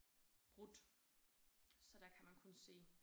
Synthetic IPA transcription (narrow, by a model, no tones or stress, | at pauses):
b̥ʁud̥ | sɒ̽d̥ækʰæmænkʰɔ̽nse̝̰ː